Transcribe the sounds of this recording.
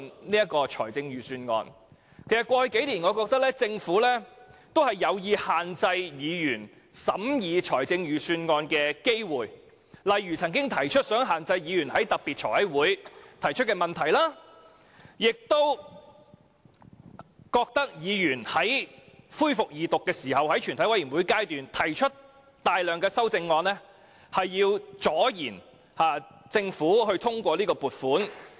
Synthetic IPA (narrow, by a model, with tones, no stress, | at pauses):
nnliː˥ɐ˥kɔː˧t͡ʃʰɔ̰ː˨˩jt͡sɪ˧ŋjyː˨syː˧nŋɔ̰ː˧n | kʰe˨˩sɐ˨t̚kʷwɔː˧hjke˨˥jliː˨˩nŋɔː˨˧kɔː˧k̚t̪ɐ˥k̚lɛː˥t͡sɪ˧ŋfuː˨˥lɛː˥t̪o˥whɐ˨jːɐ˨˧wjiː˨˧haː˨nt͡sɐ˧jjiː˨˧jyː˨˩n | sɐ˨˥mjiː˨˧t͡ʃʰɔː˨˩jt͡sɪ˧ŋjyː˨syː˧nŋɔː˧nkɛː˧ke˥jwuː˨˩j | lɐ˨jɥyː˨˩t͡sʰɐ˨˩ŋkɪ˥ŋt̪ʰɐ˨˩jt͡ʃʰɵ˥t̚sœː˨˥ŋɦaː˨˩nt͡sɐ˧jjiː˨˧jyː˨˩nhɐ˨˥jt̪ɐ˨k̚piː˨t̚t͡ʃʰɔ̰ː˨˩ɐ˨˥jwuː˨˥jt̪ʰɐ˨˩jt͡ʃʰɵ˥t̚kɛː˧mɐ˨nt̪ʰɐ˨˩jlaː˥ | jɪ˨k̚t̪o˥w | kɔː˧k̚t̪ɐ˥k̚jiː˨˧jyː˨˩nhɐ˨˥jfuː˥jfʊ˨k̚jiː˨t̪ʊ˨kːɛː˧siː˨˩hɐ˨whɐ˨˥jt͡ʃʰyː˨˩nt̪ʰwɐ˨ji˨˩nwuː˨˥jkaː˥jt̪yː˨nt̪ʰɐ˨˩jt͡ʃʰɵ˥t̚ | t̪aː˨jlœː˨ŋkɛː˧sɐ˥wt͡sɪ˧ŋːɔː˧nlɛ˥ | hɐ˨jːiː˧wt͡sɔː˨˥jiː˨˩n | haː˨˧t͡sɪ˧ŋfuː˨˥hɵ˧ɥt̪ʰʊ˥ŋkʷɔː˧liː˥kɔː˧puː˨˩t̚fuː˨˥n